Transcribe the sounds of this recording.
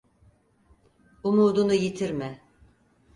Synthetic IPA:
umuːd̪unujit̪ʰiɾmɛ

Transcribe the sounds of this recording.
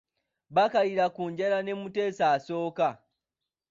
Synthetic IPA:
bakaliɾakuːɲɟeɾane̞mutesaːso̞ːka

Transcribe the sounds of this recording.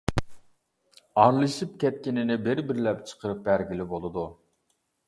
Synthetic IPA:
ɑɾlˠɨʃɨp̚kʲʰɛt̪̚kʲinɪnɪbɪɾbɪɾlɛp̚t͡ʃʰə̥qʰəɾɨp̚bæɾɡʲilɪbolˠɨd̪u

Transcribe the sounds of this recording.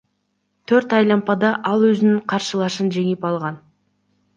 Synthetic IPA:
t̪ʰɵɾt̪ɑjlˠɑmpɑd̪ɑʔɑlˠwɵzɪnɪŋqʰɑɾʃəlˠɑʃənʒe̞ŋɪpɑlˠʁɑn

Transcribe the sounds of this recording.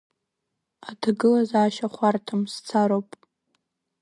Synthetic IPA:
atʰɡɨlazaːʃaχʷartʰɨmst͡sʰaɾopʼ

